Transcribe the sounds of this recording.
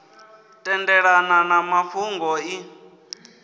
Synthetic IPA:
tʼɛndɛɺananamafuŋɡɔi

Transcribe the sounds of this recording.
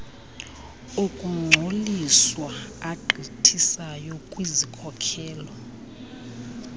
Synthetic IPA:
ukʼuŋ͡ǀʱoliswaaɡ͡ǃʱitʰisajɔkʼwizikʰɔkʰɛːlɔ

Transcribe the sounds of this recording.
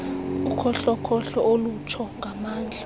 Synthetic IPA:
ukʰɔɬɔkʰɔɬɔʔolutʰɔŋɡʱamaːnd͡ɮʱa

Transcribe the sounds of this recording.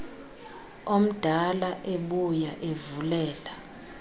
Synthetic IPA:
om̩d̥ʱalaʔeɓujaʔevulɛːla

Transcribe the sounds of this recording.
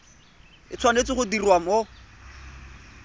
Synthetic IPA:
ɪt͡sʰwanet͡sɪχʊdirwamo

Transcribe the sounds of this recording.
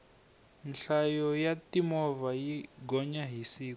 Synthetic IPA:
nɬajɔjatimɔvajiɡɔɲaɦisiː

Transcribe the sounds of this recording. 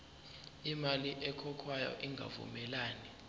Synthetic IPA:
imaliʔɛkʰɔkʰwajɔ̰ʔiŋɡʱa̰vṵmɛlaːni

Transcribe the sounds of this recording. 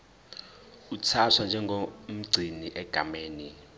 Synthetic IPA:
ut͡sʰatʰwand͡ʒʱɛŋɡʱom̩ɡ͡ǀʱiniʔɛɡ̥ʱa̰meːni

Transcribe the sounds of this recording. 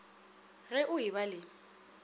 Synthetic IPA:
ɣɛʔʊiβalɪ

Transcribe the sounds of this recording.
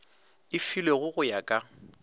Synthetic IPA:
ɪfileɣʊɣʊjakʼa

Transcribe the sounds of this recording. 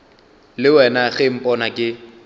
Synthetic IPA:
lɪwɛnaɣem̩pʼɔnakʼɪ

